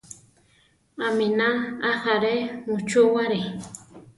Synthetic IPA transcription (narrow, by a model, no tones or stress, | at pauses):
aminaːhaɾemut͡ʃuwaɾi